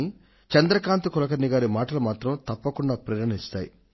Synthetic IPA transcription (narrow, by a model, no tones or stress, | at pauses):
i | t͡ʃɐnd̪ɾɐkaːnt̪ukɔlɐkɐɾniɡaːɾimaːʈɐlɐmaːt̪ɾɐmt̪ɐpːɐkuɳɖaːpɾɐɾɐnist̪a̰ːji